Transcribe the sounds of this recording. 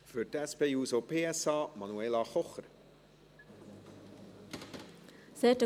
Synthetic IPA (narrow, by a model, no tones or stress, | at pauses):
føɾt̪ɛspeːuːsopʰeːɛsɑːmɑnueːlɑχɔχəɾ | seːʈə